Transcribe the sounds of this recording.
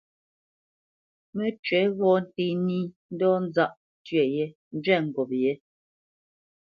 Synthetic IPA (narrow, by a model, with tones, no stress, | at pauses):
me˦t͡ʃɥɛ˨˦ɣɔ˦˨n̩˦˨te˦ni˦n̩˦dɔ˦n̩˦za˦ʔ | tɥɛ˨je˦n̩˦d͡ʒɥɛ˦˨ŋ̩˨ɡɔ˨p̚je˨˦